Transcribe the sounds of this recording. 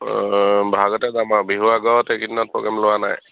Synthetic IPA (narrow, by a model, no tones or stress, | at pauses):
bʱaɡɔtɛdamabiɦuaɡɔtekidinɔt̚pɹɔ̰ɡɛmlʊwana̰j